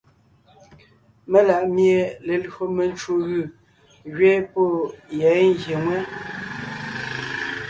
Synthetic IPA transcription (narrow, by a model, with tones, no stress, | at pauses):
me˦la˨ʔmje˨le˨lɰo˨me˨n˦t͡ʃu˦˨ɣɯ˨ | ɣɥe˦po˦˨jɛ˨˦ŋ˦ɡje˨ŋwɛ˦